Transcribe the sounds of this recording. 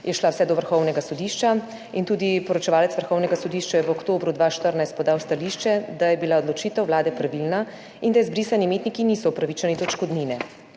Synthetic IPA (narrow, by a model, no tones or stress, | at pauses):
jɛʃlawsɛd̪ɔʋəɾxɔwnɛɡasɔd̪iʃt͡ʃa | int̪uːd̪ipɔɾɔt͡ʃɛʋaːlɛt̪sʋəɾxɔwnɛɡasɔd̪iʃt͡ʃajɛʋokt̪oːbɾud̪ʋaʃt̪əɾnajst̪̚pɔd̪aːwst̪aliʃt͡ʃɛd̪ajɛbilaod̪lɔt͡ʃiːt̪əwʋlaːd̪ɛpɾaʋilna | ind̪ajɛzbɾiːsanimeːt̪nikinisɔupɾaʋit͡ʃanid̪ɔt͡ʃkɔd̪ninɛ